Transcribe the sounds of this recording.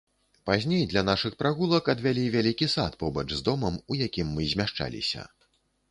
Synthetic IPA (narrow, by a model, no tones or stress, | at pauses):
pazʲnʲejd̪lʲɐnaʂɨxpɾaɣulˠɐkɐd̪vʲalʲivʲalʲikʲisat̪pɔbɐt͡ʂzd̪ɔmɐmujakʲimːɨzʲmʲaʂt͡ʂa̰lʲḭsʲɐ̰